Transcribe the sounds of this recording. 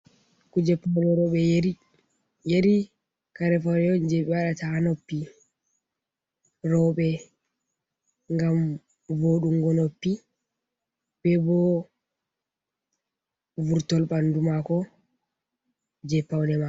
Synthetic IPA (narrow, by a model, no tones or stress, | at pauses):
kud͡ʒɛpːawnɛɾɔɓɛ | jeɾi | kaɾɛfawnɛjɔnd͡ʒɛɓɛwaɗataanopːi | ɾɔɓɛ | ŋɡam | voɗuŋɡɔnopːi | b̥ɛbɔ | vuɾtɔlɓandumakɔ | d͡ʒɛpːawnɛma